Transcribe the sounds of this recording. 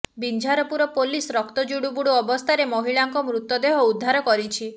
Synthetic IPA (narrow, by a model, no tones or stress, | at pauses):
bind͡ʒʱaɾɔpuɾɔpolisɾɔkt̪ɔd͡ʒuɽubuɽuɔbɔst̪ʰaɾemɔɦiɭaŋkɔmɾut̪ːɔd̪eɦɔud̪ʱːaɾɔkɔɾit͡ʃʰi